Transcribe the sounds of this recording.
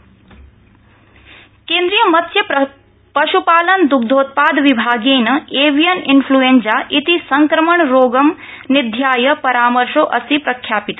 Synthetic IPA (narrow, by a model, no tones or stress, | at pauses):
kẽːnd̪ɾijəmɐt̪ʰsjɐ | pɐʃupaːlɐnd̪uk̚d̪ʱoːt̪̚paːd̪ʱʋibʱaːɡeːnɐeːʋijɐninpʰluensaʔit̪isɐŋkɾɐməɳɾoːɡɐm | nid̪ʱjaːjɐpɐɾaːmɐɾʃoːʔɐsipɾɐkʰːjaːpit̪